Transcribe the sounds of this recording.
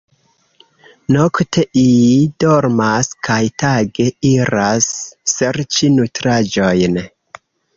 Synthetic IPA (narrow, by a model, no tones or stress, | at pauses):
noktʰe̞ʔiid̥oɾmaskajtaɡe̞iɾasːeɾt͡ʃinutɾad͡ʒo̞jn